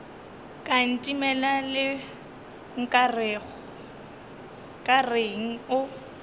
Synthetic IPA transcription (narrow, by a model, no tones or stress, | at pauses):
kʼan̩tʼimɛlalɪ | ŋ̩kʼarɣɔ | kʼareŋ̩ʊ